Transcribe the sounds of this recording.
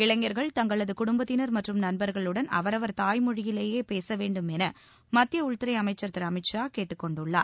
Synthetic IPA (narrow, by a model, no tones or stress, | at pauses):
ɪɭɐŋːɐɾɣɐɭt̪ɐŋɡɐɭɐðɯkʊɽʊmbɐt̪ːɪnɐɾmɐʈrɯmnɐnbɐɾɣɐɭɯɽɐnɐ̰ʋɐɾɐʋɐɾt̪aːjmʊɻɪjɪleːjeːpeːsɐʋeːɳɖɯmɛnɐ | mɐt̪ːɪjɐʊɻt̪ɪɾɐɪɐmɐɪt͡ʃːɐɾt̪ɪɾɐmɪt͡ʃːaːkeːʈːɯkːɔɳɖɯɭːa̰ːɾ